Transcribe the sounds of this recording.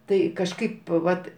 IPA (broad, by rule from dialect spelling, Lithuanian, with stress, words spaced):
ˈtɐɪ kɐʃˈkɐɪp ˈʋɐt